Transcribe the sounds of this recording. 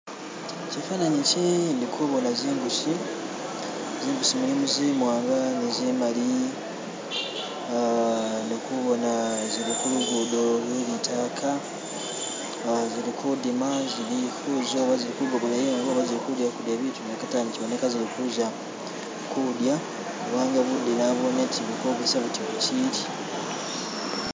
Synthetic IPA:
t͡ʃifanaɲit͡ʃindikʰuβonaziːŋɡusi | ziːŋɡusimulimuzimwaːŋɡanezimali | nokuβo̞naziɾikuliɡudoβwilitʰaːkʰa | ziɾikʰudimaziɾifuzoβaziɾikuɡoβonajiŋɡoːβaziɾikudjakudjaβitunakataniciβonekaziɾikuʒa | kudja | uβaːŋɡaβudinaβoneciβukoɡesaβutiβuciɾi

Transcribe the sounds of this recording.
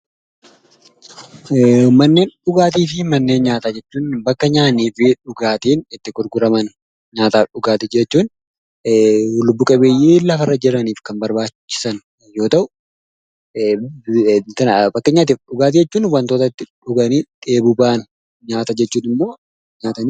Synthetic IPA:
ʊmɐnːe̞ːnᶑʊɡaːt̪iːfɪmɐnːe̞ːnɲaːt̪aːd͡ʒɛt͡ʃːuːnbɐkːɐɲaːniːfɪᶑʊɡaːt̪iːnɪt̪ːɪkʊɾɡʊɾɐmɐn | ɲaːt̪aːᶑʊɡaːt̪ɪd͡ʒɛt͡ʃːuːn | lʊbːʊkʼɐbeːjʔeːlɐfɐrːɐd͡ʒɪɾɐniːfkɐnbɐɾbaːt͡ʃt͡ʃːɪ̥sɐn | jo̞ːt̪ɐʔʊ | t̪ɐnbɐkːɐɲaːt̪̬iːfᶑʊɡaːt̪̬iːd͡ʒɛt͡ʃːuːnʊwːɐnt̪oːt̪ɐt̪ːɪᶑʊɡɐniːᶑe̞ːbʊbaːn | ɲaːt̪ɐd͡ʒɛt͡ʃːuːnɪmːo̞ː | ɲaːt̪ɐni

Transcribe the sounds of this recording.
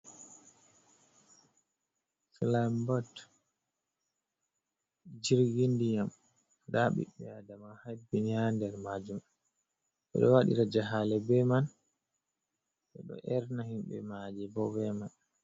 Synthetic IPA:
flambat | d͡ʒiɾɡindijam | daɓḭɓɛadamahabiɲandɛɾmad͡ʒum | ɓɛ̰ɗɔwaɗḭɾad͡ʒaɦalɛbɛman | ɓɛ̰ɗɔ̰ʔɛɾnahimɓɛ̰mad͡ʒɛbɔvɛman

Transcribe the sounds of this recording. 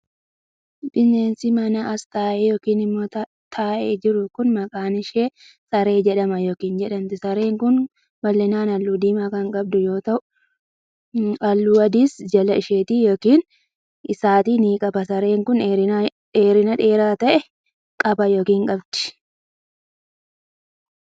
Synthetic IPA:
bɪnːeːnsɪmɐnɐʔɐst̪aːʔɛjoːkiːnɪmːoːt | t̪ʰaːʔeːd͡ʒɪɾʊkʊnmɐkʼaːnɪʃeː | sɐɾe̞ːd͡ʒɛᶑɐmɐjo̞ːkiːnd͡ʒɛᶑɐnt̪ɪsɐɾe̞ːŋkʊn | bɐlːɛnaːnɐlːuːd̪iːmaːkɐŋkʼɐb̚d̪ʊjo̞ːt̪ɐʔʊ | ɐlːuːɐd̪iːsd͡ʒɐlɐɪʃeːt̪iːjoːkiːn | ɪsaːt̪iːniːkʼɐbɐsɐɾe̞ːŋkʊneɾɪ | ᶑeːɾɪnɐᶑeːɾaːt̪ɐʔɛ | kʼɐbɐjo̞ːkiːŋkʼɐbd̪̥ɪ̥

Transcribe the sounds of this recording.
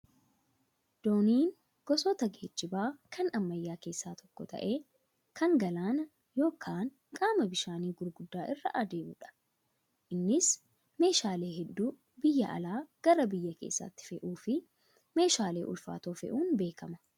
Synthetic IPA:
d̪̥o̞ːniːn | ɡ̥ɔsɔt̪ɐɡe̞ːd͡ʒːɪbaːkʰɐnɐmːɐjːaːke̞ːsːaːt̪ʰɔkːɔt̪ʰɐ̰ʔe̞ː | kʰɐŋɡɐlaːnɐ | jo̞ːkʰaːŋ | kʼaːmɐbɪʃaːniːɡʊɾɡʊd̪ːaːʔɪrːɐʔɐd̪e̞ːmuːᶑɐ̥ | ʔɪnːɪs | me̞ːʃaːle̞ːɦɛd̪ːuː | bɪjːɐʔɐ̰laːɡ̥ɐɾɐbɪjːɐke̞̰ːsːɐ̰t̪ːɪ̥fɛʔuːfɪ | me̞ːʃaːle̞ːʔʊ̰lfa̰ːt̪oːfɛ̰ʔuːnbe̞ːkɐmɐ̥

